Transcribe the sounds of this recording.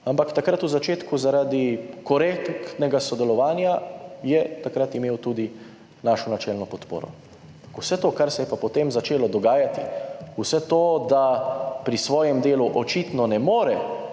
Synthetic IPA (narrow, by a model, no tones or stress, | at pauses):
ampakt̪akɾat̪uzat͡ʃeːt̪kuzaɾad̪ikɔɾekkt̪nɛɡasɔd̪ɛlɔʋaːnjajɛt̪akɾat̪imeːwt̪uːd̪i | naːʃɔnat͡ʃɛlnɔpɔt̪po̰ːɾɔ̰ | kwsɛt̪oːkaɾsɛjɛpapɔt̪emzat͡ʃeːlɔd̪ɔɡaːjat̪iusɛt̪oːd̪apɾisʋɔːjɛmd̪eːluʔɔt͡ʃit̪nɔnɛmoːɾɛ